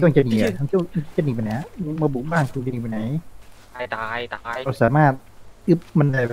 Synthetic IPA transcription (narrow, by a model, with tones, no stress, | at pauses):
i˧˥wa˧˩t͡ɕa˧niː˨˩a˧˩a˧i˥wʰa˧i˥˩t͡ɕa˧˨niː˨˩pa˧jna˧˦a˧maː˧buː˨˩k̚baː˥˩ŋkʰu˧nt͡ɕa˧niː˨˩pa˧jna˨˦˥j | ɾa˧wsaː˨˩˦maː˥˩t̪̚ɯ˦˥p̚ma˧n˨a˧˩